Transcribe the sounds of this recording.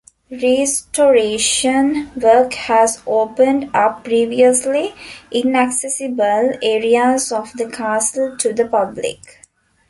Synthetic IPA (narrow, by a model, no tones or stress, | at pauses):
ɾesʈoːɾeːʃə̃nʋəːkhæzoːpə̃ɳɖapːɾiːʋiəsliʔĩnæksesibəleːɾiazɔfd̪əkʰaːsəlʈʰud̪əpablɪ̰k